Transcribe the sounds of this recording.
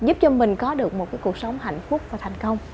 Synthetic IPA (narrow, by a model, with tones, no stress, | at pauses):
zu˦˥p̚t͡ɕɔ˧mï˨˩ŋ̟kɔ˨˦ɗɨ˨˩ək̚mo˨˩t̚kaː˨˦jku˨˩ək̚sə˨˦wŋ͡mha̰˧˨jŋ̟fʊ˦˥k̚vaː˨˩t̪ʰa˨˩jŋ̟kə˧wŋ͡m